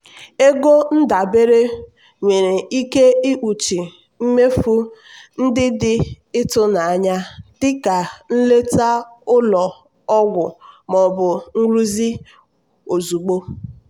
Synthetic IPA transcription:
e˦ɡo˦n̩˦da˨be˦ɾe˦ | ŋʷe˨ɾe˨i˦ke˦i˦ʔu˨t͡ʃi˨ | m̩˦me˦fu˦ | n̩˦dɪ˦dɪ˦ | ɪ˦tʊ˦na˨a˨ɲa˦dɪ˦ka˨n̩˦le˦ta˦ʊ˦lɔ˨ | ɔ˦ɡʷʊ˨mɔ˨bʊ˨ŋ̩˦lu˦zi˦ | o˨zu˨ɡ͡bo˦

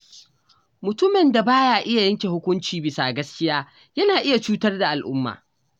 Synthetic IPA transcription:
mʊ˨tʊ˦mɪ˨nda˨baː˦jaː˨ʔɪ˦ja˨jɐ˦ŋkʲe˨hʊ˦kʷʊ˦nt͡ʃiː˨bɪ˨saː˨ɡɐ˦skʲɪ˦jaː˦ | jɐ˦naː˨ʔɪ˦ja˨t͡ʃuː˦tɐ˦rda˨ʔa˨lʔʊ̰˦mːa̰ː˨

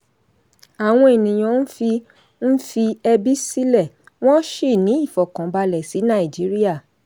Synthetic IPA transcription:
a˨w̃ɔ̃˧e˨nĩ˨j̃ɔ̃˨˧˦n̩˦fi˧ | n̩˦fi˧ɛ˧bi˦si˦lɛ˦˨ | w̃ɔ̃˦ʃe˦˨nĩ˨˦i˦˨fɔ˨kã˨˦ba˧lɛ˨si˨˦nã˦˨i˨d͡ʒi˨˦ɾi˦a˦˨

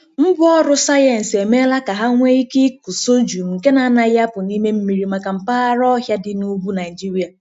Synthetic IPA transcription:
m̩˦bʊ˦ɔ˦ɾʊ˦sa˦je˨n̩˨se˨me˦la˦ka˨ɦa˦ŋʷe˦i˦ki˦ku˨so˦d͡ʒu˨ke˦na˨˦na˨ja˦pʊ˨ni˦me˦m̩˦mi˨ɾi˨ma˨ka˨m̩˨pa˦a˦ɾɔ˦ɦja˦dɪ˨˦nu˦bu˦na˨ɪ˨d͡ʒi˦ɾi˦a˨

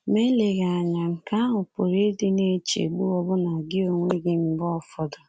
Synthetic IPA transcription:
me˦le˨ɣa˨a˨ɲa˨ŋ̩˨ka˦a˦ɦʊ˨po˨ɾe˦e˦de˦ne˦t͡ʃḛ˨ɡ͡bu˦ɔ˦bʊ˦na˨ɡɪ˦o˦ŋʷe˦ɡɪ˦m̩˦bɔ˦˨fɔ˨dɔ˨

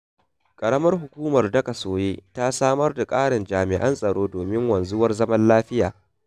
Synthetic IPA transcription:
kʼɐ˨ɽɐ˦mɐ˦rɦʊ˨kʷuː˦mɐ˨rdɐ˦ka˨soː˨jeː˦taː˦saː˦mɐ˦rda˨kʼaː˦ɽɪ˨nd͡ʒaː˨mɪ˨ʔɐ˦nsʼɐ˨ɽoː˦doː˨mɪ˦ŋwɐ˨nzʊ˦wɐ˦rzɐ˦mɐ˦nlaː˦ɸɪ˦jaː˨

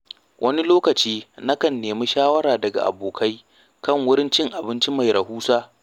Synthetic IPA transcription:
wʔɐ˦ni˦loː˦kɐ˨t͡ʃiː˦nɐ˦kɐ˨nːeː˨mi˦ʃaː˦wɐ˦ɽaː˨dɐ˨ɡa̰˨ʔa̰˨boː˨kʰa˦j | kɐ˦˨ŋwʊ˦ɾɪ˦nt͡ʃɪ˦ŋʔa˨bɪ˦nt͡ʃi˦ma˨jɾɐ˨huː˦saː˦

